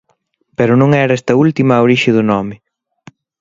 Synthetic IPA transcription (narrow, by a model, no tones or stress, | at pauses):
pɛɾʊnõŋɛɾɐɛst̪ɐult̪imɐːoɾiʃɪðʊnɔmɪ